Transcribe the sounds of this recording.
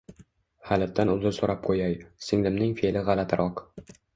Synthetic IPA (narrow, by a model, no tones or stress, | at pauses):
halat̪ʰːanʊzɪlsoɾap̚qʰojajsɪŋlɪmnɪŋfelɪʁalat̪ʰɾʔɒq